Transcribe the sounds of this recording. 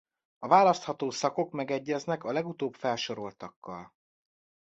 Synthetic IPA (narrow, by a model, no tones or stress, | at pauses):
ɒvaːlɒst̪hɒt̪oːsɒko̞kmɛɡɛɟːɛznɛkɒlɛɡut̪oːbfɛlʃo̞ɾo̞lt̪ɒkːɒ̰l